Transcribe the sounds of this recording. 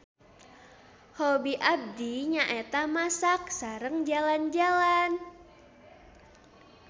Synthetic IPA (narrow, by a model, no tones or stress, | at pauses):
hobiʔab̚diɲaʔet̪amasak̚saɾəŋd͡ʒaland͡ʒalan